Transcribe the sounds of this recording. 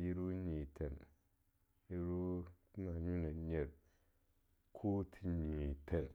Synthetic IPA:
ji˦ɾu˦ɲi˨tʰe˨n | ji˦ɾu˦na˨ɲu˦ne˨ɲe˨ɾ | kʰo˦tʰi˨ɲi˨te˨n

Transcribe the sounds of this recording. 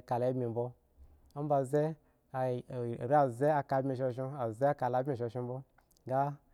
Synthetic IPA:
ka˨la˨i˦bmʲi˨m˨bo˦ | a˦m̩˦ba˧ze˦˨ | ɾa˨ze˦a˧ka˧˦bʲmʲi˧ʃe˧˨ʃo˧a˨ze˦a˦ka˧la˧˦bʲmʲi˧˨ʃo˧ʃe˧m˦bo˦ | ɡa˦

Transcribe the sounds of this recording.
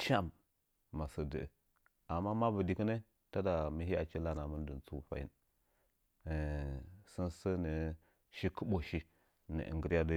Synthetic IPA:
t͡ʃa˦˨mː | a˨sə˨də˨ə˨ | a˨mːa˦ma˦bə˨di˨kə˦ne˦ | ta˦da˨mi˦hi˦a˨t͡ʃi˦la˦na˨mə˦n˦də˨n˨t͡su˦˨fa̰˨jḭ˦n˨ | sə˦nsə˦nə˨ | ʃi˦kə˦ɓo˨ʃi˦ | nə̰˨ʔə̰˨ŋɡə˨˦ɾja˦də˦

